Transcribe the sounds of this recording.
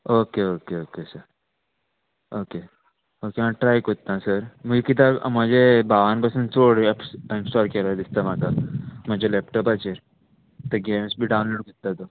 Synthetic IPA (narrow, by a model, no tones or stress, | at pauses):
okeokeoːkesəɾ | oke | okeãʈɾajkot̪nãsəɾmukit̪am̤əd͡ʑebaʋanpəsũnt͡soɽepsinsʈɔɾkeɾad̪ist̪am̤akam̤əd͡ʑelep̚ʈɔpat͡ɕeɾ | t̪əɡemsbʱiɖawnloːɽkot̪ːat̪o